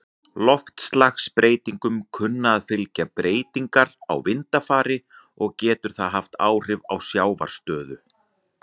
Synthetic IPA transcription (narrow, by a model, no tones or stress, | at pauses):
lɔft̪slaxspɾʔeːjt̪iŋkʏmkʰʏnːaðfɪlcapɾeːjt̪iŋkaɾa̰wvɪnt̪afaːɾɪ | ɔɣcɛːt̪ʏɾ̥θaðɦaft̪aːwr̥ɪvawsjaːwva̰ɾ̥st̪œːðʏ